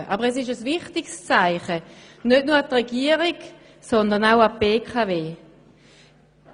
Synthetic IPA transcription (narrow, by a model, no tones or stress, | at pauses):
ʔɑbəʁɛs̬ɪʃəsvɪχtɪkst͡saɪχənøtnuːɐat̪ʁeɡiəʁiɡ | sɔnd̪əʁnaʊapbeːkʰaveː